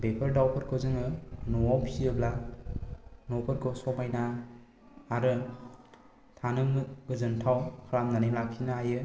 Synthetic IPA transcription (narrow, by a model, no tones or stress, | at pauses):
bepʰɐɾdawpʰɯɾkʰɔzɯŋɯnɔawpʰiiɯbla | nɔpʰɯɾkʰɔsɔmajnaː | ɾɯ | tʰanɯmɡɯzɯntʰawkʰɾamnaniŋlakʰːinaajɯ